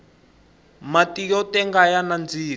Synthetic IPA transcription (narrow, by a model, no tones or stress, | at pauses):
matijɔtɛŋɡajanand͡ziː